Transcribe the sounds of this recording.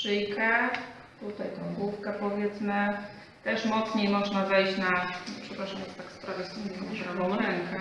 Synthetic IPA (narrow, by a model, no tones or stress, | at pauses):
ʂɘjkɛ | t̪ut̪ajt̪ɛ̃w̃ɡwufkɛpɔvʲjɛt̪smɘ | t̪ɛʂmɔt̪sɲejmɔʐnavɛjɕt͡ɕnapʂɛpɾaʂamjɛt̪t̪akspɾavɛsumɛmɔʐbɾavɔ̃wɾɛŋkɛ